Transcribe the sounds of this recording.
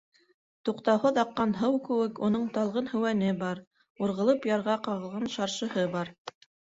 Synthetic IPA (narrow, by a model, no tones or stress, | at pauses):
t̪uqt̪ɑwhɤðɑqːɑnɦɤwkɘ̆wɘkunɤɴt̪ɑlˠʁɤnhɵ̆wænɘbɑɾ | uɾʁɤ̆lˠɤpjɑɾʁɑqɑʁɤ̆lˠʁɑnʃɑɾʃɤ̆hɤbɑɾ